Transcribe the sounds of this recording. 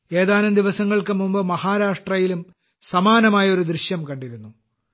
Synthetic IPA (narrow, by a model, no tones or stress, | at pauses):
e̞ːðaːlumd̪iʋɐsɐŋːɐɭkɨmumbɐmɐhaːɾaːʂʈrɐjilum | sɐmaːnɐmaːjɐo̞ɾud̪ɾiɕjɐmkɐɳɖiɾunːu